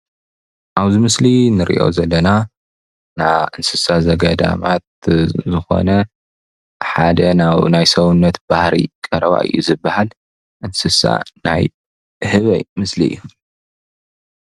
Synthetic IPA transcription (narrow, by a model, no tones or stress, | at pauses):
ʔaβzimɨslinɨɾʔḭʔo̞̰zɐlːɐna | naʔɨnsɨsazɐɡɐd̪a̰mat̪̚zɨxo̞̰nɐ | ħad̪ɐnaβnajsɐwunːɐt̪b̥ahɾḭkʼɐɾɐβa̰ʔɨ̰jːuzɨbːahal | ʔɨnsɨsa̰na̰j | hɨβɐ̰jmɨsliɨ̰jːu